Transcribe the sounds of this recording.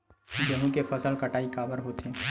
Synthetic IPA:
d͡ʒəɦũkepʰəsəlkəʈaːikaːbəɾɦoːt̪ẽː

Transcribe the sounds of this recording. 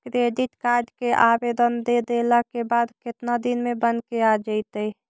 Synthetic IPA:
kɾeɖiʈkad͡ʒkeʔabed̪ənd̪ed̪eləkebad̪kɪt̪nad̪inmebənkead͡ʒət̪əj

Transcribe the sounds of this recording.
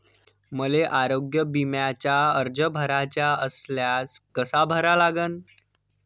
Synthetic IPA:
məleʔaɾoɡjəbimjat͡ɕjaəɾd͡ʑəbʱəɾat͡ɕjaəsljaskəsabʱəɾalaɡən

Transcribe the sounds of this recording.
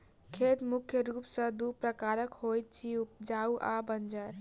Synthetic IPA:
kʰet̪mukʰjəɾupsə̃d̪upɾəkaɾəkhojt̪̚t͡ʃʰiup̚d͡ʒauʔabənd͡ʒəɾ

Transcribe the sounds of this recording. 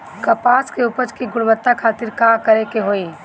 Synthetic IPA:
kɐpaːskeupət͡ʃkiɡʊɽ̃bət̪ːakʰaːt̪ɪɾkaːkɐɾekeɦoːiː

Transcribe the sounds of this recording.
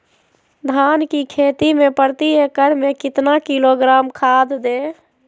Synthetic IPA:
d̪ʱankikʰet̪imepəɾt̪iekəɾmekɪt̪nakiloɡɾamkʰad̪d̪e

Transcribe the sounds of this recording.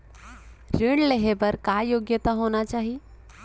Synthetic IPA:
ɾɪɽ̃ɖleɦebəɾkajoːɡjət̪aɦonat͡ʃaːɦie

